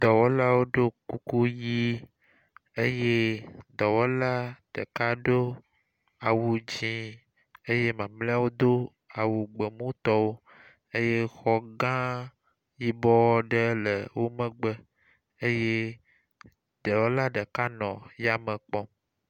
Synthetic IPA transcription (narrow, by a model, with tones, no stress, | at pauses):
d̪ɔ˨wo˦la˦wo˦ɖo˦ku˦ku˦ji˦ | e˦je˦d̪ɔ˨wo˦la˦ɖ̥ə̰˨ka˦ɖo˦ | a˨wu˨d͡ʑĩ˦ | e˦je˦mã˨mla˦wo˦d̪o˦ | a˨wu˨ɡ͡bə˨mũ˦t̪ɔ˦wo˦ | e˦je˦xɔ˦ɡã˦ | ji˦bɔ˦wɔ˦ɖə˦lə˨wo˦mə̃˦ɡ͡bə˦ | e˦je˦ | d̪̥ə˨wo˦la˦ɖə˨ka˦nɔ̃˨ja˦mə̃˨k͡pɔ˦